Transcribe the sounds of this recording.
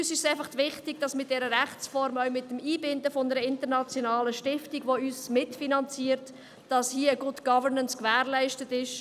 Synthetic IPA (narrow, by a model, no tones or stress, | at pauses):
yːsɪʃsæɪfɑχtʋɪχtɪɡ̚d̥ɑsmɪt̚d̥ɛɾəɾæχt͡sfɔɾmœʊmɪtːəmiːbɪndəfonəɾəɪntəɾnɑt͡sjonɑːləʃtɪftiɡʋoyːsmɪtfinɑnt͡siːəɾt | d̥ɑshiːəəɡʊdɡ̥ɑvənənskvæːɾlæɪʃtətɪʃ